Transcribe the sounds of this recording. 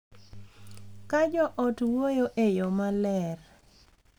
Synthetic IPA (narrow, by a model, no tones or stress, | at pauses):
kad͡ʒɔʔɔtwojoʔejomalɛr